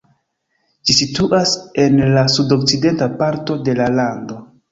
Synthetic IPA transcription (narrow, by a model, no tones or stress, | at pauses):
d͡ʒisituʔase̞nlasudo̞k̚t͡side̞ntapaɾto̞de̞lalando̞